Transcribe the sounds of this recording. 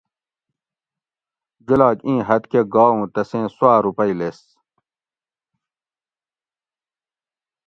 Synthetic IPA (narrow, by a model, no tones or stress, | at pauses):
d͡ʑulaːt͡ɕĩːɦɐt̪keɡaːũːt̪ɐsẽːswaːɾupɐiles